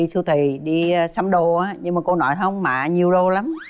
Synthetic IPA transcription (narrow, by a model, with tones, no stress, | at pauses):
i˧st̪ʰi˨˩ɗi˧sa˧˦mɗo˨ʔaː˨˦ɲɨ˧ŋmaː˨˩ko˧nɔ˨˦jə˧wŋ͡mmaː˧˨˩ɲi˨˩əwɗo˧˩la˨˦m